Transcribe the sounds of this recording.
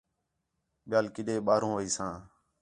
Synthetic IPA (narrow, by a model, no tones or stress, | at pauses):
ɓɪjaːlkɪɗeːɓaːɾõːʋəiːsãː